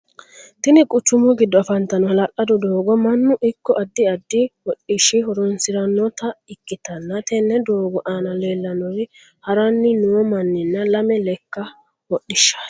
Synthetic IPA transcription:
t̪ɪnɪkʼʊt͡ʃːʊmɔɡɪd̪ːɔɐfɐnt̪ɐnɔhɐlɐʔʼɐd̪ɔd̪oːɡɔmɐnːʊʔɪkːɔʔɐd̪ːɪɐd̪ːɪwɔɗɪʃːɪɦɔɾɔnsɪɾɐnːɔt̪ɐɪkːɪt̪ɐnːɐt̪ɛnːɛd̪oːɡɔʔaːnɐle̞ːlːɐnɔɾɪ | hɐɾɐnːɪnuɔmɐnːɪnːɐlɐmɛlɛkːɐ | wɔɗːɪʃːɐ̥

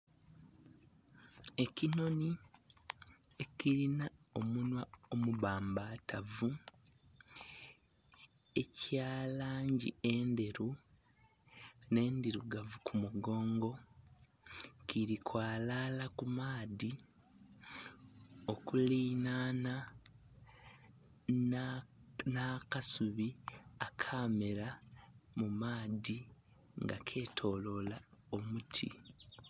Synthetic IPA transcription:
e̞cino̞ni | e̞kiɾinao̞munwao̞muβaːmbatavu | e̞caːlaːɲɟḭe̞nde̞ɾu | ne̞ːndiɾuɡavukʰumuɡo̞ːŋɡo̞ | kiɾikʰwaːlaːlakumaːði | o̞kuliːnaːna | naːkasuβiakʰaːmeɾamumaːði | ŋɡa̰kʰe̞ːtʰo̞ːlo̞lao̞mutʰḭ

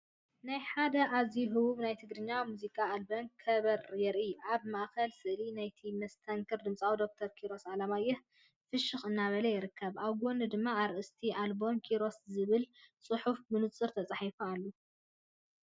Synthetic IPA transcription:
najħad̪ɐʔaziɦɨwuβnajt̪ʰɨɡɾɨɲːamuzikʼaːlbo̞nkʰɐβɐɾjɛɾʔiʔaβmaʔkɐlsɨʔlinajt̪ʰimɐst̪ʰɐŋkʰɨɾd̪ɨmt͡sʼawd̪o̞k̚t̪ʰɐɾkʰiɾo̞sʕalamajːɛh | fɨʃɨxɨnːaβɐlɐjɪɾɨkʰːɐβʔaβɡo̞nɨd̪ɨmːaːɾʔɨst̪ʰiʔalbo̞nkʰiɾo̞szɨβɨlsʼɨħufbɨnɨt͡sʼɨɾt̪ʰɐt͡sʼaħifualːu

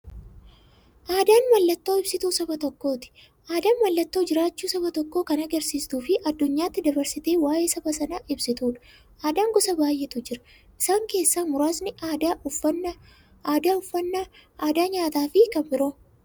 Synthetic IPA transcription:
ʔaːd̪aːnmɐlːɐt̪ːo̞ːɪb̥sɪt̪uːsɐbɐt̪ɔkːo̞ːt̪ɪ̥ | ʔaːd̪aːnmɐlːɐt̪ːo̞ːd͡ʒɪɾaːt͡ʃːuːsɐbɐt̪ɔkːo̞ːkɐnɐɡɐɾsiːst̪uːfɪʔɐd̪ːʊɲːaːt̪ːɪd̪ɐbɐɾsɪt̪e̞ːwaːje̞ːsɐbɐsɐnaːʔɪbsɪt̪uːᶑɐ̥ | ʔaːd̪aːŋɡɔsɐbaːjːɛt̪ʊd͡ʒɪɾɐ̥ | ʔɪsaːŋke̞ːsːaːmʊɾaːsnɪaɐnː | d̪aːʊfɐnːɐaːd̪aːɲaːt̪aːfɪkɐmbɪɾoː

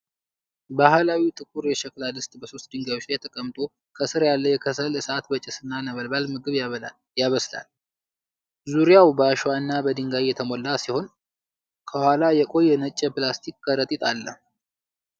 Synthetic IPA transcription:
bahlawit̪ʼɨkʼuɾjɛʃɛklalɨst̪ʼbəsost̪̚d̪ɨŋɡajot͡ʃːjɛt̪ʰəkʼəmt̪ʼo̞ | kʰəsɨɾjalːəjɛkʰəsəlɨsat̪bət͡ʃʼɪsɨnːanəβəlbalmɨɡɨβ | jaβəsla̰l | zuɾijawbəaʃwaɨnːabəd̪ɨŋɡajjɛt̪ʰəmolːasiho̞n | kʰəhwalajɛkʼo̞jːɛnət͡ʃʼːəpɨlast̪ʰikʼkəɾət̪ʼit̪ʼalːə̰

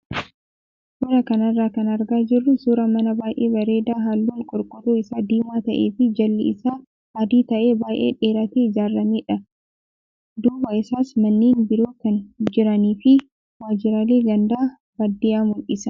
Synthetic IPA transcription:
bʊɾɐkɐnɐrːaːkɐnɐɾɡaːd͡ʒɪrːʊsuːɾɐmɐnɐbaːjʔeːbɐɾe̞ːd̪aːɦaːlːuːŋkʼʊɾkʼʊɾuːɪsaːd̪iːmaːt̪ɐʔeːfɪd͡ʒɐlːɪ̰ɪsaː | ad̪iːt̪ɐʔe̞ːbaːjʔḛːᶑeːɾɐt̪eːɪd͡ʒaːrːɐmiːᶑɐ | d̪uːbɐɪsaːsmɐnːiːnbɪɾoːkɐnd͡ʒɪɾɐniːfɪ | waːd͡ʒɪɾaːleːɡɐnd̪aː | bɐd̪ːiːʔaːmʊlʔɪsɐ

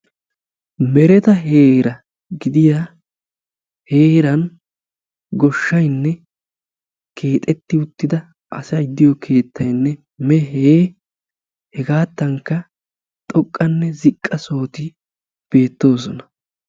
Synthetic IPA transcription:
mɛɾɛt̪ɐɦe̞ːɾɐ | ɡɪd̪ɪja | heːɾɐn | ɡɔʃːɐjnːɛ | kʰe̞ːt̪ʼɛt̪ːɪʊt̪ːɪd̪ɐ | ʔɐsɐjd̪ːɪjɔkʰe̞ːt̪ːɐjnːɛ | mɛɦeː | hɛɡaːt̪ːɐŋkːɐ | t̪ʼɔkʼːɐnːɛzɪkʼːɐso̞ːt̪ɪ | b̥e̞ːt̪ːo̞ːs̬ɔnɐ

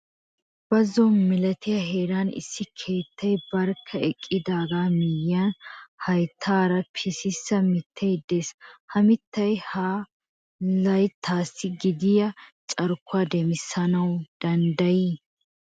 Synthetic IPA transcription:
b̥ɐzːɔnmɪlɐt̪ɪjɐɦeːɾaːnɪ̰sːɪkʰe̞ːt̪ʰːɐjbɐɾkʰːɐɛkʼːɪd̪aːɡaːmɪjːanhɐjt̪ʰːaːɾɐpʰɪsɪsːɐmɪt̪ʰːejd̪e̞ːshɐmɪt̪ːɐjhaː | lɐjt̪ʰaːsːɪɡɪd̪ɪjɐt͡ʃʼɐɾkʰːʊaːd̪ɛmɪsːɐnɐwd̪̥ɐnd̪ɐjiː

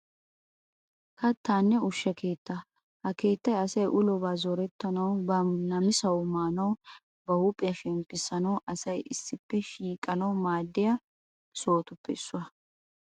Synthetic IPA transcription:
kɐt̪ʰːaːnːɛʊʃːɐkeːt̪ːɐ | hɐke̞ːt̪ːɐjɐsɐjʔʊlɔbaːzɔɾɛt̪ːɐnɐwbɐnɐmɪsɐwmaːnɐw | bɐhupʼːɪjɐʃɛmpːɪsɐnɐwʔɐsɐjɪsːɪpːɛʃiːkʼːɐnɐwmaːd̪ːɪjɐ | so̞ːt̪ʊpːɛɪsːʊwɐ

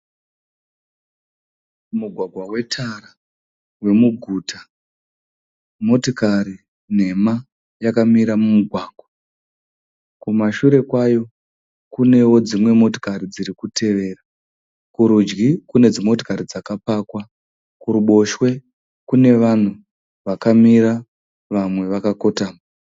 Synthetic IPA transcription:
muɡʱwaɡʱwawe̞tʰara | we̞muɡʱuːtʰa | mo̞tokaɾi | ne̞ma | jakamiɾamumuɡʱwaːɡʱwa | kumaʃuɾe̞kwajo̞ | kune̞wo̞d͡zimwe̞mo̞to̥kaɾid͡ziɾikutʰe̞ʋe̞ːra | kuɾud͡ʒɡikune̞d͡zimo̞to̥kaɾid͡zakapakwa | kuɾuɓo̞ʃwe̞ | kune̞ʋan̤u | ʋakamiɾa | ʋamwe̞ʋakako̞taːma

